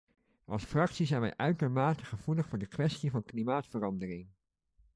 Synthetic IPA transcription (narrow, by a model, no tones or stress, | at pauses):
ʔɑ̰lˠsfrɑksizɛjnʋɛ̰jʔœɥtəɹmaːtəχəv̥uləχfʊːɹdəkʋɛstivɑnklimaːtfərɑndərɪŋ